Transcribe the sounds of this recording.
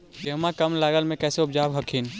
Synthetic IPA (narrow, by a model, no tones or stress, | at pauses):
d͡ʒɐɦmakɐmlaːɡəlmẽkɛːseʊb̚d͡ʒaːbɦɐkʰin